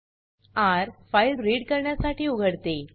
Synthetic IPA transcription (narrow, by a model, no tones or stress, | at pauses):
aɾfailɾeɽkəɾɳjasaʈiːuɡʱəɽt̪e